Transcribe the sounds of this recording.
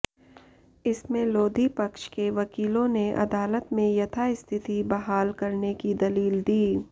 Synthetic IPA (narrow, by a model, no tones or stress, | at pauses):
ɪsmẽloːd̪ʱipɐkʃkeʋɐkiːlõneʔɐ̰d̪aːlət̪mẽjɐt̪ʰaɪst̪ʰɪt̪ibɐɦaːlkɐɾnekid̪ɐliːld̪iː